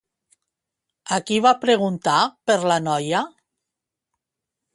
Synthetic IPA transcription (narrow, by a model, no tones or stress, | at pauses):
akiβapɾeɣunt̪apəɾlanɔja